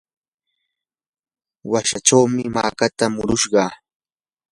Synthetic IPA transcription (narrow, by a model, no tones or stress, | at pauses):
waʃaʈ͡ʂawmɪma̰ːkat̪amʊɾʊʃɢɑː